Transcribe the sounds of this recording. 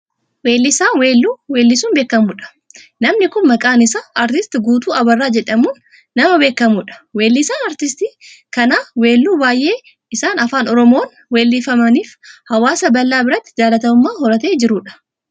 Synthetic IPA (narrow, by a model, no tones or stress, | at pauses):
weːlːɪsaːnwe̞ːlːuːwe̞ːlːɪsuːnbe̞ːkːɐmuːᶑɐ̥ | nɐmnɪkʊnmɐkʼaːnɪsɐɐɾt̪ɪst̪ɪɡuːt̪uːɐbɐrːaːd͡ʒɛᶑɐmuːnː | ɐmɐbe̞ːkːɐmuːᶑɐ̥we̞ːlːɪsaːnɐɾt̪ɪst̪ikɐnaːwe̞ːlːuːbaːjʔe̞ː | ɪsaːnɐfaːnɔɾɔmoːn | weːlːɪfɐmɐniːfhɐwaːsɐbɐlːaːbɪɾɐt̪ːɪd͡ʒaːlɐt̪ɐmʊmːaːɦɔɾɐt̪e̞ːd͡ʒɪɾuːᶑɐ̥